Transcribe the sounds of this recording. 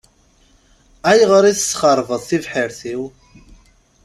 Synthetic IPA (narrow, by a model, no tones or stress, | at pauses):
æjʁəɾiθəsχəɾˤvəðˤθivħəɾθiw